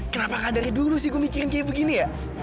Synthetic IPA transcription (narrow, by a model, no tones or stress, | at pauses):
kənapakadaɾidulusɪhɡuomikiɾɪnkajabəɡinija